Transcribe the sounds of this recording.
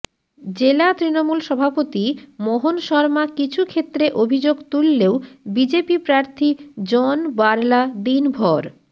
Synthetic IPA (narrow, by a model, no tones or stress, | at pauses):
d͡ʑelat̪ɾinomulʃɔbʱapot̪imoɦonʃɔɾmakit͡ɕʰukʰet̪ːɾeʔobʱid͡ʑoɡt̪ulːeobid͡ʑepipɾaɾt̪ʰid͡ʑɔnbaɾlad̪inbʱɔɾ